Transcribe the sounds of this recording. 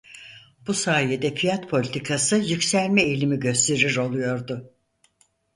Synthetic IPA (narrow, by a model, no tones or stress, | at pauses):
b̥usaːjed̪ɛfijat̪pʰo̞lʲit̪ʰikʰasɯjycsæɾmɛelʲimiɟø̞st̪ʰe̞ɾiɾo̞lˠujo̞ɾd̪ʊ